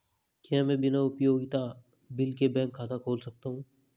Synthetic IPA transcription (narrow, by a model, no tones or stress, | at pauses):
kiɦãmɛ̃bɪnaʊpjoːɡɪt̪a | bɪlkebɛ̃ːŋkʰːaːt̪akʰoːlsɐk̚t̪aɦũː